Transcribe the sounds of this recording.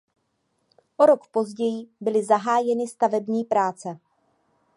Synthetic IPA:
ʔoɾo̞kpo̞zɟɛjɪbɪlɪzaɦaːjɛnɪst̪avɛbɲiːpɾaːt͡sɛ

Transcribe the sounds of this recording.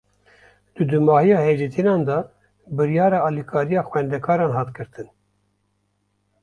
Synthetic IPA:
d̪̥ɨd̪ɨmɑːhijɑːheːd͡ʒit̪ʰinɑːnd̪ɑ | bɨɾjɑːɾɑːɑːlikʰɑːɾijɑːxwɛnd̪ɛkʰɑːɾɑːnɦɑːt̪ɡɨɾt̪ɨn

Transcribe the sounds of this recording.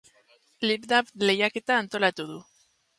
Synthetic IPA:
liβd̪aβle̞jake̞t̪aːnt̪o̞lat̪uðu

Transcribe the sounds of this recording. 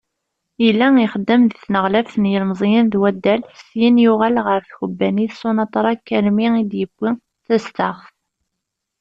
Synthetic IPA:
ilːæiχəd̪ːəmðiθnəʁlæfənjəlmzˤjənðwæd̪ːælsjinjʊʁælʁəɾθçubːæniθsˤːonɑt̪ˤɾˤɑkːæɾmiid̪jəɡʷːi | θæst̪əʁθ

